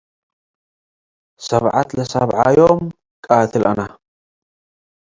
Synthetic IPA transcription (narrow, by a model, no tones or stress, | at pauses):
sɐβʕa̰t̪lɐsaβʕajom | kʼat̪ʰɨlʔɐ̰na